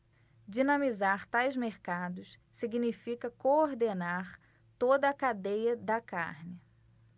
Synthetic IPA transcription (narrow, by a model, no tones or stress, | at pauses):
d͡ʒinɐmizaɾt̪ajzmeɾkad̪ʊs | siɡinifikɐkooɾd̪enaɾ | t̪od̪ɐːkad̪ejɐd̪ɐka̰ɾnɪ